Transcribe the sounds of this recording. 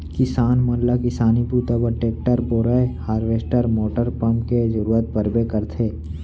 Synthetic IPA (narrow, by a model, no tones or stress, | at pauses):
kɪsaːnmɐnlakɪsaːnipuːt̪apəɾʈeːk̚ʈəɾboːɾəehaːɾʋeːsʈəɾmoːʈəɾpəmkezɐɾuːɾət̪̚bəɾbekəɾt̪ʰeː